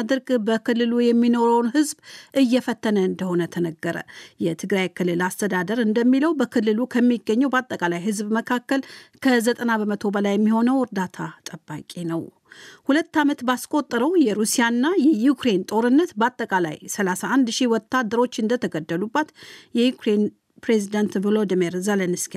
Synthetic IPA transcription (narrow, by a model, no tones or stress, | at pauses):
ad̪ɨɾɡbəkʰɨlːɨlujɛmːino̞ɾəwnhɨzbʔɨjːɛfət̪ʰːənəɨnd̪əho̞nət̪ʰənəɡːəɾə̰jɛt̪ʰɨɡɾajkʰɨlːɨlast̪ʰəd̪ad̪əɾɨnd̪əmːiləwbəkʰɨlːɨlukʰəmːiɡːəɲːəwbat̪ʼːəkʼalajɦɨzbməkʰakːəlkʰəzət̪ʼənabəmət̪ʰo̞bəlajːɛmːiho̞nəwɨɾd̪at̪ʰat̪ʼəbːa̰kʼenəw | hulət̪ːamət̪baskʼo̞t̪ʼːɾəwjɛɾusijanːajɛjukɾe̞nt̪ʼo̞ɾɨnːət̪bat̪ʼːəkʼala̰jsəlasaʔand̪ʃiwɔt̪ʰːad̪əɾo̞t͡ʃːɨnd̪ət̪ʰəɡəd̪ːəlubːat̪jɛjukɾe̞n | pɾezid̪ant̪vlod̪meɾzelənɨski